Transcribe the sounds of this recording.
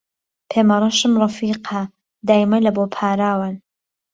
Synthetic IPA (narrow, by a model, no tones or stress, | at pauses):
pʰeːmɐɾˤɑʃɨmrˤɑfiːqʰa | d̪aːjɪmajlɐboːpʰaːɾaːwan